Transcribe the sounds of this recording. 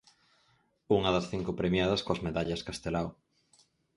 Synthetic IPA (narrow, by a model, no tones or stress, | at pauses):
uŋɐðɐsθiŋkʊpɾemjaðɐskoɐzmeðaʎɐskast̪elaw